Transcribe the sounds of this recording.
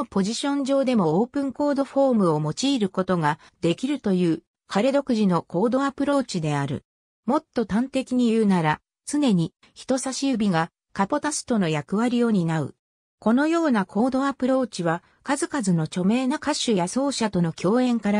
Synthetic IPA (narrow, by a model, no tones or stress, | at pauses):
po̞ʑiɕõ̞ɲd͡ʑo̞ːd̪e̞mo̞oːpɯ̟̃ŋko̞ːd̪o̞ɸo̞ːmɯ̟o̞mo̞t͡ɕiːɾɯ̟ko̞t̪o̞ɡa | d̪e̞kʲiɾɯ̟t̪o̞jɯ̟ː | kʰaɾe̞d̪o̞kɯ̟ʑino̞ko̞ːd̪o̞apɯ̟ɾo̞ːt͡ɕid̪e̞aɾɯ̟̰ | mo̞t̪ːo̞t̪ãnt̪e̞kʲiɲ̟ijɯ̟ːnaɾa | t͡sɨne̞ɲ̟i | çi̥t̪o̞saɕiɯbʲiɡa | kapo̞t̪asɨ̥t̪o̞no̞jakɯ̟βaɾʲio̞ɲ̟inaɯ̟̰ | ko̞no̞jo̞ːnakʰo̞ːd̪o̞apɯ̟ɾo̞ːt͡ɕiβa | kazɨkazɨno̞t͡ɕo̞me̞ːnakaɕɨjaso̞ːɕat̪o̞no̞kʲʰo̞ːẽ̞ŋkaɾa